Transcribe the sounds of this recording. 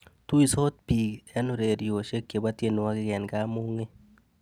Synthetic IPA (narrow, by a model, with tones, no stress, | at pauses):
t̪u˦i˦˨so˦t̪̚pi˨ɡɛ˦no˦ɾe˨ɾijo˨ʃe˦kje˨ba˦t̪je˦nwa˦ɡɪ˦ɡɛ˨nɡa˦mo˦ŋe˦